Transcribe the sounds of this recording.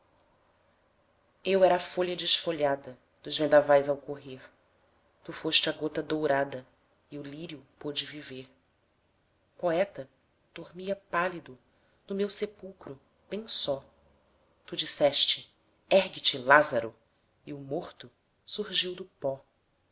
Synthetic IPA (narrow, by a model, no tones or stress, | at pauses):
ewɛɾɐːfoʎɐd͡ʒɪʃfoʎad̪ɐ | d̪̥ʊzvẽnd̪avajzawkoɦeɾ | t̪ufoʃt͡ʃɪɐɡot̪ɐd̪owɾad̪ɐ | iʊliɾiʊpod͡ʒɪviveh | poɛt̪ɐ | d̪̥oɾmiɐpalid̪ʊ | nʊmewsepuwkɾʊ | b̥ẽj̃sɔ | t̪ud͡ʒisɛʃt͡ʃɪ | ɛɦɡɪt͡ʃɪlazɐɾʊ | iʊmoχt̪ʊ | suhʒiwd̪ʊpɔ